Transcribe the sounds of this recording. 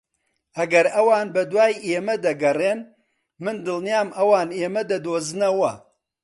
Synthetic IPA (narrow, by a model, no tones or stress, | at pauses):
ʔɐɡɐɾɐwaːnbɐd̪waːjʔeːmɐd̪ɐɡɐreːn | mɨnd̪ɨlˠnijaːmɐwaːneːmɐd̪ɐd̪oːzɨnɐwɐ